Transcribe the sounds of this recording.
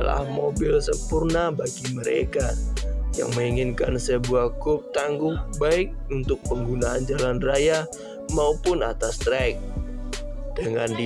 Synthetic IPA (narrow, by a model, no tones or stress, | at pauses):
la̰hmobɪlsəmpurnabaɡiməɾḛkaja̰ŋməŋiŋinkansəbuakʊp̚t̪aŋɡʊhbaɪk̚unt̪ʊk̚pəŋɡunaːnd͡ʒalanraja | maupʊna̰t̪ast̪ɾɛk̚ | d̥əŋand